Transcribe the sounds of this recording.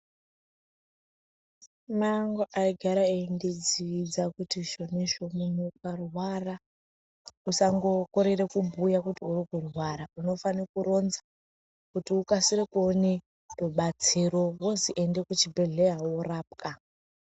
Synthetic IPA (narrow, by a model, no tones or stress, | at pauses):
maŋɡoʔaiɡʱaɾaended͡ziʋid͡zakutiʃo̞niʃomunukarwara | usaŋɡo̞ko̞ɾe̞rekubʱujakutiurikurwaɾauno̞fanekuɾo̞nza | kutiukasiɾekone | roɓat͡siɾo̞woziʔende̞kut͡ʃibʱe̞ɮeɦaworaːp̚kʰa